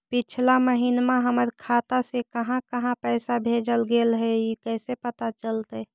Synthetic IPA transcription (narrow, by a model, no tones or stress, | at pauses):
pɪt͡ʃʰlaməɦinmãɦəməɾkʰaːt̪asekəɦãkəɦãpɛːsabʱeːd͡ʒəlɡelɦɛikɛːsepət̪at͡ʃəlt̪ɛ